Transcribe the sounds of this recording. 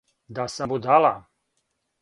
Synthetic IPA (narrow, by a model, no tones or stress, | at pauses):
d̪asambud̪ala